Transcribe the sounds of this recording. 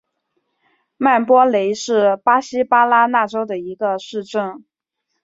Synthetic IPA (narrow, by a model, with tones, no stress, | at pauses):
ma˥˩npwɔ˥le˧˥ɪʂɻ̩˥˩pa˥ɕi˥pa˥la˥na˥˩ʈ͡ʂo˥ʊd̪ə˨i˧˥ɡə˧ʂɻ̩˥˧ʈ͡ʂɤ˥˩ŋ